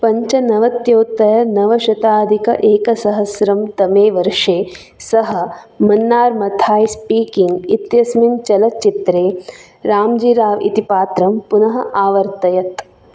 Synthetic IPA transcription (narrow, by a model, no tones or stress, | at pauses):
pɐɲt͡ʃɐnɐʋɐt̪joːt̪ːɐjɐnɐʋɐʃɐt̪aːd̪ʱikɐ̰ʔeːkɐsɐɦɐsɾɐmt̪ɐmeːʋɐɾʂeː | sɐɦɐ̆mɐnːaːɾmɐt̪ʰaːjspiːkiŋɡit̪jɐsmint͡ʃɐlɐt͡ʃit̪ɾeː | ɾaːmd͡ʒiːɾaːʋḭt̪ipaːt̪ɾɐmpunɐɦɐ̆ʔaːʋɐɾt̪ɐjɐt̪